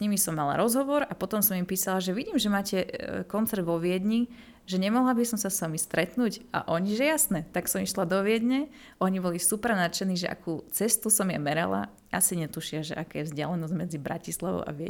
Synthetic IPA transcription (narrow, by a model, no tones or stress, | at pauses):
ɲimisɔmːala̰ɾɔzɦɔʋɔɾapɔt̪ɔmsɔmimpiːsalaʒɛʋiɟiːmʒɛmaːcɛkɔnt͡sɛɾd̪ʋɔʋɪɛd̪ɲi | ʒɛɲɛmɔɦlabisɔmsasamist̪ɾɛt̪nuːɟʔa̰ʔɔɲiʒɛjasnɛt̪aksɔmiʃlad̪ɔʋɪɛd̪ɲɛ | ʔɔɲibɔlisupɛɾnat͡ʃɛniʒɛ̰ʔa̰kuːt͡sɛst̪usɔmja̰mɛɾa̰la̰ | ʔasiɲɛt̪uʃɪaʒɛ̰ʔakɛːjɛvzɟɪa̰lɛnɔzɟmɛd͡zibɾa̰cislaʋɔ̰ʊʔa̰ʋɪɛ̰